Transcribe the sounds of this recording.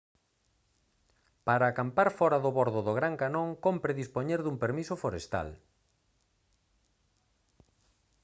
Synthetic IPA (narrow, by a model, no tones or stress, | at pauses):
paɾaːkampaɾfɔɾaðoβoɾðʊðoɣ̞ɾaŋkanõŋkompɾeðispoɲeɾðumpeɾmisʊfoɾest̪a̰l